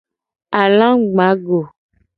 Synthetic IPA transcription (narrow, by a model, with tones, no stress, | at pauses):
a˨lã˦ɡ͡ba˨˦ɡo˨